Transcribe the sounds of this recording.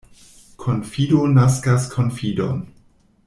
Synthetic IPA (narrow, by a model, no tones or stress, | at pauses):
kʰonfidonaskaskʰonfido̰n